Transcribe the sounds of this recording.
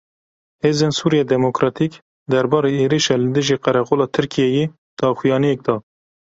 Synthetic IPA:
heːzeːnsuːɾijɛːd̪ɛmokɾɑːt̪ʰik | d̪ɛɾbɑːɾeːeːɾiʃɑːlɨd̪ɨʒiːqɛɾɛqoːlɑːt̪ʰɨɾkʰijɛjeː | d̪̥ɑːxujɑːnijɛk̚d̪ɑː

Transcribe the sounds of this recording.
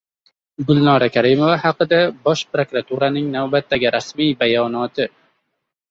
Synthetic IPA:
ɡʊlˠnɒɾakʲʰaɾɪmovahaqɨd̪abɒʃpɾokɾat̪ʰuɾanɪŋnawbat̪ːaɡʲɪɾʔasmijbajɒnɒt̪ʰɪ

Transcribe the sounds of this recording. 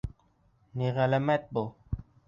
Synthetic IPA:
niɣɛlɛmɛt̪̚bo

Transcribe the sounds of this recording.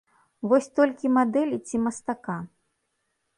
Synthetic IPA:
vɔsʲt̪ɔlʲkʲimad̪ɛlʲit͡sʲimɐst̪aka

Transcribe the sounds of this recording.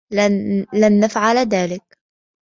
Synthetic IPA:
lanːafʕalðaːlɪk

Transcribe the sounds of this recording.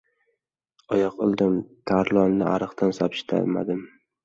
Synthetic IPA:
ɒjɒqɨlˠd̪ɪmt̪ʰaɾlˠɒnːɪʔa̰ɾɨqt̪ʰansapʃɪ̥t̪ʰa̰lma̰d̪ɪm

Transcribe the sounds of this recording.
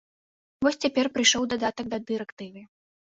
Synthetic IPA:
vɔsʲt͡sʲapʲɛrpɾɨjʂɔwd̪ad̪at̪ɐɡ̚d̪ɐd̪ɨɾɛkt̪ɨvɨ

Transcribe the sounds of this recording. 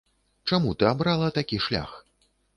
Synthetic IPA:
t͡ʂamut̪ɨabɾalˠɐt̪akʲiʂlʲa̰x

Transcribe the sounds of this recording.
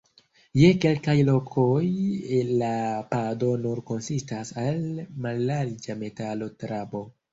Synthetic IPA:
je̞ke̞lkajlo̞kʰojlapado̞nuɾko̞nsistasalmalːaɾd͡ʒame̞talo̞tɾabo̞

